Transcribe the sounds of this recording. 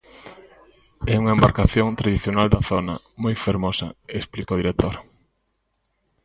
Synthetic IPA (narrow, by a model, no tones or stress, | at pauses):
ɛuŋɐembaɾkaθjoŋt̪ɾaðiθjonald̪ɐθonɐ̰ | mojfeɾmosɐesplikoðiɾek̚t̪oɾ